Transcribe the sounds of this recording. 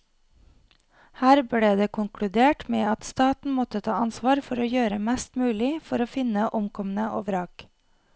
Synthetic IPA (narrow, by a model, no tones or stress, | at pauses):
hæːɾbleːd̪eːkʰʊŋkʰɽʉd̪eːʈmeːɑt̪st̪ɑːt̪n̩mɔt̪ət̪ʰɑːɑnsʋɑːɾfɔɾoːjøːɾəmɛst̪mʉːlɪfɔɾoːfɪnəʔʊmkʰɔmən̩əʔo̰ːʋɾɑːk